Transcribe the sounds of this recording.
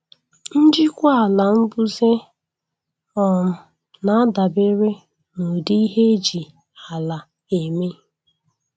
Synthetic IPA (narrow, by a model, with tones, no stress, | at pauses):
n̩˦d͡ʒi˦kʷa˦a˨la˨m̩˦bu˦ze˦ | ɔ˨m̩˨ | na˨a˦da˨be˦ɾe˦ | no˨di˦i˦ɦe˦d͡ʒi˨ | a˨la˨ | e˨me˦